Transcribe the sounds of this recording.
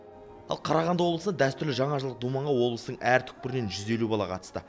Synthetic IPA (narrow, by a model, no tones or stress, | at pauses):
ɑ̰lˠqʰɑɾɑʁɑnd̪əwo̞blˠəsəd̪æst̪ʏɾlɪʒɑɴɑʒlˠəq̚d̪umɑɴʁɑwo̞blˠəsət̪əɴʔæɾt̪ʰʏ̥k̚pɪɾɪne̞nʒʏze̞lubɑlˠɑqʰɑ̰t̪ə̥st̪ə̰